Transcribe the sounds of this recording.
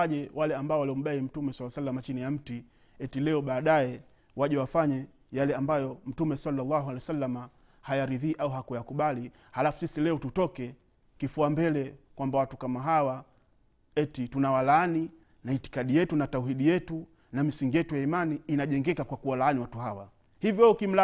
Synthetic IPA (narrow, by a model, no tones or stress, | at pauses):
aʄɛwalɛambaɔwaliɔm̩ɓaim̩tumɛsalːasalːamat͡ʃinijam̩ti | ɛtilɛɔɓaːɗaɛ | waʄɛwafaɲa | jalɛambajɔm̩tumɛsalːalːaɦalɛjsalːama | hajaɾiðiːʔauɦakujakuɓali | halafu̥sisilɛɔtutɔkɛ | kifuambɛlɛkwambawatukamaɦawa | ɛtitunawalaani | naiti̥kaɗijɛtunatauɦiɗijɛtu | namisiŋɡijɛtujaimaniːnaʄɛŋɡɛkakwakuwalaaniwatuɦawa | hivjɔukim̩la